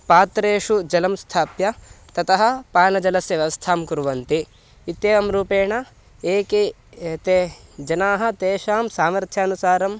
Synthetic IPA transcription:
paːt̪ɾeːʂud͡ʒɐlɐmst̪ʰaːpjɐt̪ɐt̪ɐɦɐ̆paːnɐd͡ʒɐlɐsjɐʋjɐʋɐst̪ʰaːmkuɾuʋɐnt̪i | it̪jeːɐmɾuːpeːɳɐ | eːke | t̪ed͡ʒɐnaːɦɐ̆t̪eːʃaːmsaːmɐɾt̪ʰjaːnusaːɾɐm

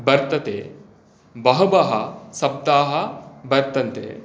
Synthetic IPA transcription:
bɐɾt̪ɐt̪eː | bɐɦɐbɐɦɐsɐb̚d̪aːɦɐbɐɾt̪ɐnt̪ḛː

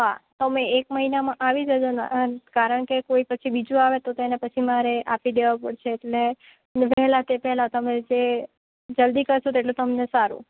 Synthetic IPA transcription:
ɦa̰t̪əmẽekməɦinamãʔaʋid͡ʒəd͡ʒona̰kaɾəɳ̃kekoipət͡ʃʰibid͡ʒũaʋet̪ot̪enepət͡ʃʰimaɾeʔapid̪eʋapəɽt͡ʃʰeːʈle | ʋɛɦlat̪epɛɦlat̪əmẽd͡ʒe | d͡ʒəld̪ikəɾt͡ʃʰot̪eʈlut̪əmnesaɾṵ̃

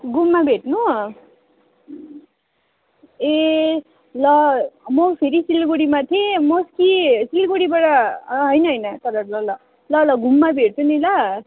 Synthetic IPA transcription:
ɡumːabʱeʈnu | e | lʌmʌpʰeɾisilɡoɽimat̪ʰẽmʌskisilɡoɽibaɽʌɦʌjnʌɦʌjnʌt̪ʌɾʌlʌlʌ | lʌlʌɡumːabʱeʈ̚t͡sʰunilʌ

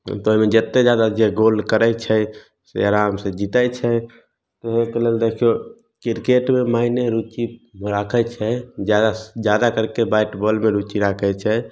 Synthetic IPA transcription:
t̪ɔoɦimẽd͡ʒət̪ːed͡ʒjad̪ad͡ʒeɡolkəɾɛt͡ʃʰɛ | sḛaɾamsẽd͡ʒit̪ət͡ʃʰɛ | t̪ɔɦekeleld̪ekʰio | kiɾkeʈmemaineɾut͡ʃimɾakʰɛt͡ʃʰɛd͡ʒjad̪ad͡ʒjad̪akəɾkebaɪʈbɔlmeɾut͡ʃiɾakʰɛt͡ʃʰɛ

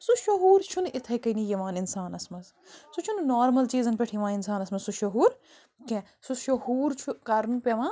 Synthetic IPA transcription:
suʃɐɦuːɾt͡ʃʰunɪt̪ʰɐjkɐinijɐʋãːnɪnsaːnɐsmɐz | sut͡ʃʰunnaːɾmɐlt͡ʃiːzɐnpʲeʈʰjiʋaːnɪnsaːnɐsmɐzsuʃɐɦuːɾ | kẽ | suʃɐɦuːɾt͡ʃʰukɐɾɐnpʲeʋãː

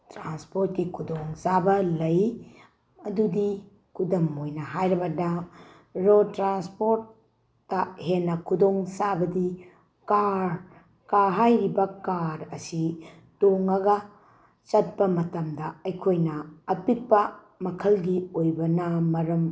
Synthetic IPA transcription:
tɾanspoɾt̚kikʰudoŋsabɐlɐj | ɐdudi | kʰudɐmojnɐɦajɾɐbɐda | ɾotɾanspoɾt̚ː | ɐhenːɐkʰudoŋsabɐdi | kaɾ | kaɦajɾibɐkaɾɐsi | toŋɐɡɐ | t͡ʃɐt̚pɐmɐtɐmdɐɐjkʰojnɐːpik̚pɐ | mɐkʰɐlɡiojbɐnɐmɐɾɐm

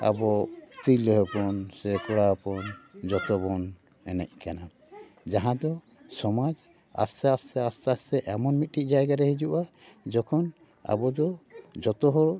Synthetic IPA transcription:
a̰bɔt̪ilɦɛpɔnsɛkɔɽapɔnd͡ʒɔt̪ɔbɔn | ɛnɛ̰c̚ˀkana | d͡ʒaɦãd̪ɔ | sɔmad͡ʒ | a̰st̪aastɛast̪asɛʔɛmɔnmit̪̚ʈic̚ˀd͡ʒajɡaɾɛɦid͡ʒuʔa | d͡ʒɔkʰɔn | a̰bɔd̪ɔd͡ʒɔt̪ɔɦɔɾ

